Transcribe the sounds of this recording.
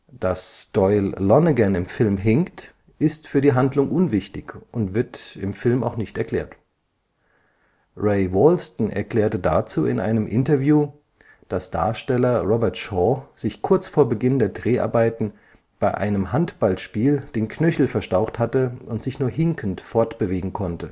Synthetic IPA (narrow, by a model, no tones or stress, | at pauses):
d̥asd̥ɔʏlːɔnəɡɛnɪmfɪlmɦɪŋkt | ʔɪstfyːɐdiːɦandlʊŋʔʊnvɪçtɪçʊntv̥ɪɐtɪmfɪlma̰ʊxnɪçtɛɐkl̥ɛ̰ːɐt | ʁeɪvɔlstn̩ɛ̰ɐkl̥ɛːɐtəda̰ːt͡suːɪnʔaɪnəmʔɪntɐvjuː | d̥asd̥a̰ːɐʃtɛlɐʁɔbɛɐtʃɔːz̥ɪçkʰʊɐt͡sfoːɐbəɡɪndeːɐdʁeːʔa̰ɐbaɪtn̩ | b̥aɪʔa̰ɪnəmɦantb̥alʃpiːld̥eːnkʰnœçl̩fɛɐʃtaʊxthatəʔʊntz̥ɪçnuːɐɦɪŋkʰn̩tfɔɐtb̥əveːɡŋ̩kʰɔntə